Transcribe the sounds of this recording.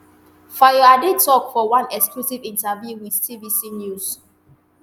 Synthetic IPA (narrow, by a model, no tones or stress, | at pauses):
fajɔaditɔkfɔwãnɛksklusivĩntavjuwiðtʰivisinjus